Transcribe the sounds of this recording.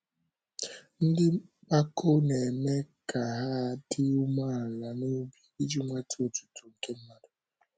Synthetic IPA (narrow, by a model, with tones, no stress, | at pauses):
n̩˦dɪ˦k͡pa˦ko˦ne˨me˦ka˨ɦa˦dɪ˦u˦ma˦˨la˨no˦bi˨i˦d͡ʒi˦ŋʷa˦tʰo˨tu̥˨tu˨ŋ̩˨ke˦m̩˦ma˨dʊ˨